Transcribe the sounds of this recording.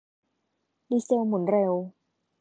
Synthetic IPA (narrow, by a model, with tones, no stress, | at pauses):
diː˧se˧wmu˨˩˦nɾe˧w